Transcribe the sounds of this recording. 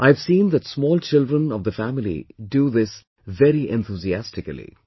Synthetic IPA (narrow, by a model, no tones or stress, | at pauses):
ʔaɪvsĩːnd̪ætsmɔːlt͡ʃɪldɾə̃nɔvd̪əfæmɪlḭɖuːðɪs | ʋɛɾiʔɛ̃nt̪uːziæstɪkəlḭ